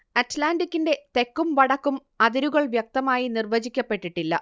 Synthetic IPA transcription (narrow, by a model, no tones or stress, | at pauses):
ɐtlaːnɖikʲːinde̞t̪e̞kːumʋɐɽɐkːum | ɐðiɾuɣɐɭʋjɐk̚t̪ɐmaːjinirʋɐt͡ɕikʲːɐpːe̞ʈːiʈːilːɐ